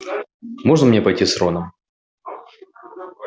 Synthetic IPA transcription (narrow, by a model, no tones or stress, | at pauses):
moʐnəmnʲepɐjtʲisronəm